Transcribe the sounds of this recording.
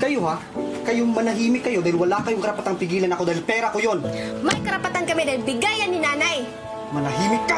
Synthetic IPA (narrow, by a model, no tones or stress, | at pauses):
kɐjoha | kɐjoŋmɐnɐɦiːmɪt̪̚kːɐjo̞d̪aːhɪlwɐlakɐjoŋkɐɾɐpɐt̪aŋpɪɡiːlɐnɐkod̪aːhilpɛːɾɐkojo̞nmɐjkɐɾɐpɐt̪ankɐmid̪ahilbɪɡajɐnːɪnaːnaj | mɐnɐɦiːmɪt̪̚kːa